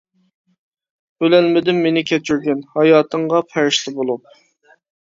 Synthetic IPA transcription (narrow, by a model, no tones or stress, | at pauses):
bølɛlmɪd̪ɪmːenɪkʲʰɛt͡ʃʰyɾɡʲɛnhɑjɑːt̪ʰəɴʁɑpʰæɾɪʃlɪbolˠup̚